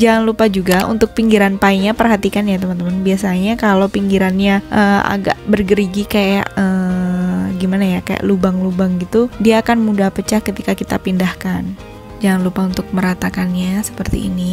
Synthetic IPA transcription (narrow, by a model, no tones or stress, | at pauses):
d͡ʒaŋanlupad͡ʒuɡaṵnt̪ʊk̚piŋɡiɾanpaiɲapərɦat̪ikanjat̪əmant̪əmanbiasaɲakalowpiŋɡiɾanɲaʔəːa̰ɡa̰ʔbərɡəɾiɡikaja̰ʔəː | ɡimanajakaja̰ʔlubaŋlubaŋɡit̪udiaːkanmudahpət͡ʃahkət̪ikakit̪a̰pindahkan | d͡ʒaŋanlupaunt̪ʊk̚məɾat̪akanɲasə̥pərt̪ḭḭni